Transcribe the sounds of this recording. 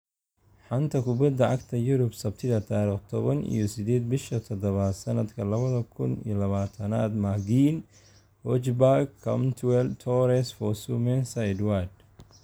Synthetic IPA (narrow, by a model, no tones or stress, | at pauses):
ħɑnt̪ʰɐkʰʊbɐd̪ːɐʕɑɡt̪ʰɐjʊɾʊbsɐbt̪ʰɪðɐt̪ʰaːɾiːχt̪ʰɔβɐnʔḭjɔsɪd̪ɛːd̪bɪʃɐt̪ʰɔd̪ɐβaːd̪sɐnɐd̪kʰɐlɐβɐðɐkʰʊnḭjɔlɐβaːt̪ʰɐnaːd̪maɡiːn | hɔt͡ʃbaɡkʰːɐmt̪ʰwɛlt̪ʰɔɾɛsfɔsumɛnsajd̪wad̪